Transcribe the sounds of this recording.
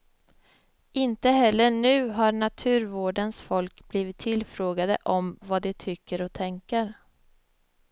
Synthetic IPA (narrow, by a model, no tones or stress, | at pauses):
ɪnt̪əɦɛlːəɳʉ̟ːɦaɾɳat̪ʰʉ̟ːɾvoːɖənsfɔlkbliːvɪt̪ʰːɪlfɾoːɡad̪ə̰ʔɔmvad̪ɛt̪ʰʏkːəɾɔt̪ʰɛŋkəɾ